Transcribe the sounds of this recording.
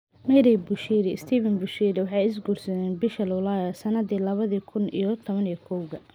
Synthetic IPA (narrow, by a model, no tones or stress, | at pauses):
mɛɾɛbʊʃiːɾɪɪst̪ʰiːvɛnbʊʃiːɾɪwɑħɑjɪs̬ɡuːrsɐðɛːnbɪʃɐlwʊlaːjɐsɐnɐd̪iːlɐβɐðiːkʰʊnḭjɔt̪ʰɔβɐnijɔkʰɔwɣɐ